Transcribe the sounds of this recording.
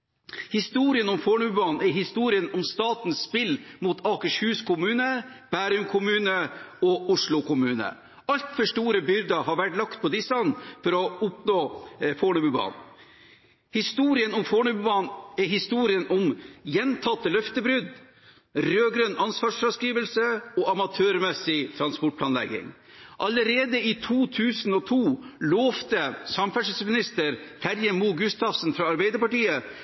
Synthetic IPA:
hɪst̪uːɾɪənʊmfoːɳʉbʉbɑːnɛɾhɪst̪uːɾɪənʊmst̪ɑːt̪nsspɪlmuːt̪ʰɑːkəʂhʉːskʊmʉːnəb̥æːɾʉmkʰʊmʉːnəɔʊʂɭʊkʊmʉːnə̰ | ɑlt̪fœʂʈuːɾəbʏɾd̪ɑɦɑɾʋæʈlɑkt̪̚pʰɔd̪ɪsɑnfɔɾɔʊpnoːfoːɳʉbʉbɑ̰ːn | hɪst̪uːɾɪənʊmfoːɳʉbʉbɑnɛɾɦɪst̪uːɾɪənʔʊmjɛnt̪ʰɑt̪ːəlœft̪əbɾʉd̪ | ɾøːɡɾøːnʔɑnsʋɑːʂfɾɑskɾiːʋəlsəɔːʔɑmɑt̪ʰøːɾmɛsɪt̪ʰɾɑnspɔʈ̚pʰlɑːnlɛ̰ɡɪ̰ŋ | ʔɑləɾeːd̪əɪt̪ʰuːt̪ʰʉːsnɔt̪ʰuːloːft̪əsɑmfæʂəsmɪnɪst̪əɾhæɾjɛmuːɡʉst̪ɑfsənfɾɑɑɾbɛɪd̪əpɑʈiːə

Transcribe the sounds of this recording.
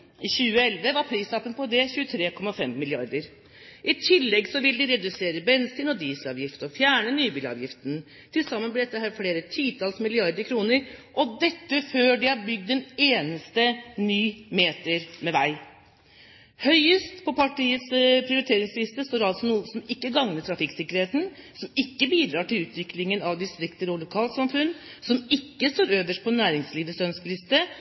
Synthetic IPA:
ɪçʉːəɛlʋəʋɑɾpʰɾiːsɑpənpʰɔd̪ɛçʉːət̪ʰɾeːkʰɔmːɑfɛmːɪlɪɑɾd̪əɾ | ʔɪt̪ʰɪlːɛɡsɔʋɪld̪ɪɾɛd̪ʉseːɾəbɛnsiːnɔd̪iːsɑ̰ːʋjɪft̪əɔfjæːɳənyːbiːlɑ̰ːʋjɪft̪ən | t̪ʰɪlsɑmːənbliɖ̪ɛt̪ːəhæːɾfɽeːɾət̪ʰiːt̪ʰɑlsmɪlɪɑɾd̪əɾkʰɾuːnəɾʔɔd̪ɛt̪ːəføːɖɪhɑɾbʏɡ̚d̪ɛneːnəst̪ənyːmeːt̪əɾmɛʋæɪ | hœʏəst̪pʰɔpʰɑʈiːət̪spʰɾɪʊɾɪt̪ʰeːɾɪŋslɪst̪əst̪oːɾɑlt̪sɔnuːəsɔmɪkːəɡɑŋnəʈʰɾɑfɪksɪkːəɾheːt̪n̩sɔmɪkːəbiːd̪ɾɑːʈɪlʉːt̪ʰʋɪklɪŋənɑʋd̪ɪst̪ɾɪkt̪əɾɔlʊkʰɑːlt̪sɑmfʉnːsɔmɪkːəst̪oːɾøːʋəʂʈ̚pʰɔnæːɾɪŋsliːʋəsœnskəlɪst̪ə

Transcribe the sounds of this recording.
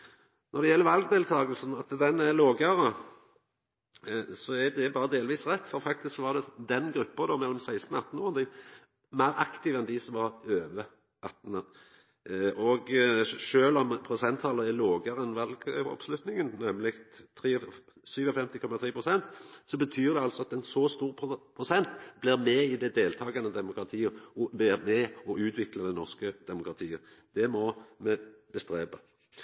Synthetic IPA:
nɔʁd̪ɛjɛlːəɾʋɑlɡd̪eːlt̪ʰɑːɡəlsnɑt̪d̪ɛnæloːɡəɾə | sɔæd̪ɛbɑːɾəd̪eːlʋiːsʁɛt̪ːfɔɾfɑk̚t̪ɪsksʋɑɾd̪ɛd̪ɛnɡɾʉpːəd̪ɔmɛlːɔmsæɪst̪n̩ɑt̪ːn̩oːʁənd̪ɪ | mæɾɑkt̪ɪʋɛnd̪ɪsɔmʋɑʁøːʋə | ʔɑt̪ːnə | ɔɡʃøːlɔmpʰʁʊsɛnt̪ʰːɑːləɛloːɡəɾəɛnʋɑlɡɔ̰pslʉt̪nɪŋənnɛmlɪɡt̪ʰɾiː | syːʋɔfɛmt̪ɪkʰɔmɑt̪ʰʁiːpʰʁʊsɛnt̪sɔbət̪ʰyːʁd̪ɛɑlsɔɑt̪ɛnsɔst̪uːɾpʰpʰʁʊsɛnt̪blɪʁmɛɪd̪ɛd̪eːlt̪ʰɑːɡɑnəd̪ɛmʊkɾɑt̪ʰiːəb̪ɪʁmɛɔʔʉːt̪ʰʋɪkləd̪ɛnɔʁskəd̪ɛmʊkʁɑt̪ʰiːə | d̪̥ɛmɔmɛb̥əst̪ɾeːbə

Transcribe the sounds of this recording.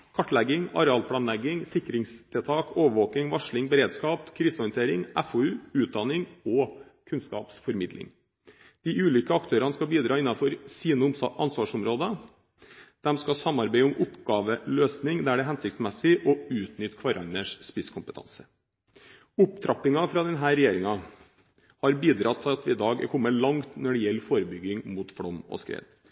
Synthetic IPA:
kʰɑʈːlɛɡːɪŋɑ̰ɾɛɑːlpʰlɑːnlɛɡːɪŋsɪkɾɪŋst̪ʰɪlt̪ʰɑːkoːʋəɾʋoːkɪŋʋɑʂɭɪŋbɛɾeːd̪skɑːpkʰɾiːsɔɾɪənt̪ʰeːɾɪŋʔæfɔʉːʉːt̪̚d̪ɑnɪŋɔkʰʉnskɑ̰ːpsfɔɾmɪd̪lɪ̰ŋ | d̪̥iʔʉːlʏkəɑkt̪ʰøːɾɑnəskɑbiːd̪ɾɑːɪnːɑfɔɾsiːnəɑnsʋɑːʂʊmɾoːd̪ə | d̪̥ɛmskɑsɑmːɑɾbæɪʊmʔʊpɡɑːʋəløːsnɪŋd̪ææɖɛɦɛnsɪk̚t̪smɛsɪʔɔʉːt̪nʏt̪ːkʰʋɑɾʔɑnːəʂspɪskʰʊmpət̪ʰɑ̰nsə̥ | ʊpt̪ʰɾɑplɪŋɑfɾɑd̪ɛnɦæːɾɛjeːɾɪŋɑ | hɑɾbiːd̪ɾɑt̪ʰːɪlɑt̪ɪd̪ɑːɡkʰɔmːəlɑŋt̪nɔɖɛjɛlːfoːɾəbʏɡːɪŋmuːt̪fɽɔmɔ̰skɾḛːd̪

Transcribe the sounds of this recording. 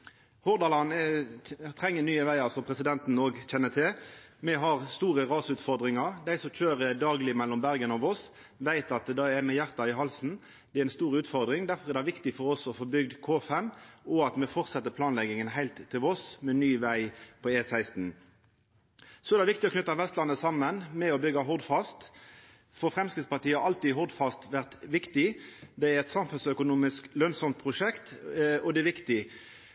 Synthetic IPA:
hɔʁd̪ɑlɑn | t̪ʰʁɛŋːənyːəʋæɪɑʁsɔmpʰɾɛsɪd̪ɛnt̪noːɡc͡çɛnːət̪ʰɪlmɛɦɑʁst̪uːʁəʁɑːsʉːt̪fɔʁd̪ʁɪŋɑʁd̪æɪsɔmc͡çøːɾəd̪ɑːɡlɪmɛlːɔmbæʁɡənɔʋɔs | ʋæɪt̪ɑt̪̚d̪ɑɛmɛjæɾt̪ɑɪɦɑlsn̩ | d̪ɛɾɪnst̪uːʁəʉːt̪fɔʁd̪ʁɪŋd̪æɾfɔʁɛɾd̪æɪʋɪkt̪ɪfɔɾɔsɔfoːbʏɡ̚d̪kʰoːfɛmɔɑt̪mɛfɔʁt̪sɛt̪ːəpʰlɑːnlɛɡɪŋənɦæɪlt̪ʰːɪlɔsmɛnyːʋæɪpʰɔeːsæɪst̪n̩ | sɔɛɾd̪ɑɪʋɪk̚t̪ɪɔkʰnʏt̪ːɑʋɛst̪lɑnːəsɑmːənmɛɔbʏɡːɑɦɔʁd̪fɑst̪ | fɔfɾɛmskɪt̪spɑʁt̪iːəɑɾɑlt̪iɦɔʁd̪fɑst̪ʋæʁt̪ʋɪkt̪ɪd̪ɛæɾɛt̪sɑmfʉnsœkʊnuːmɪsklœnsɔmt̪̚pʰʁʊʃɛkt̪ɔd̪ɛʋɪkt̪ɪ

